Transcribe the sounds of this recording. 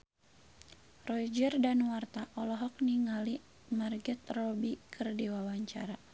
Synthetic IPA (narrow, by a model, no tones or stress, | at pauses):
rɔid͡ʒərdanwart̪aʔɔlɔɦɔk̚niŋali | marɡɛt̪̚rɔbikʰɨrdiwawaɲt͡ʃa̰ɾa